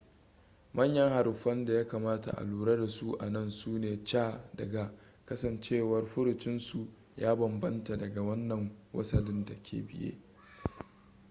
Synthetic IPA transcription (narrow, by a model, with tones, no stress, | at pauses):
mɐ˦ɲjɐ˦ŋha˨ɾʊ˨ɸɐ˦nda˨jaː˦kaː˨maː˦ta̰˨ʔa̰˨luː˨ɽɐ˦da˨su˦ʔa̰˨nɐ˦nsuː˦neː˨t͡ʃaː˦dɐ˨ɡa˨ | kɐ˦sɐ˨nt͡ʃeː˦˨wɐ˦rɸʊ˦ɾɪ˨t͡ʃɪ˦nsu˨ | jaː˦bɐ˨mbɐ˦nta˨dɐ˨ɡa˨wɐ˦nːɐ˨ŋwɐ̰˦sɐ˨lɪ˦nda˨kʲʰḛː˨bɪ˦jḛ˦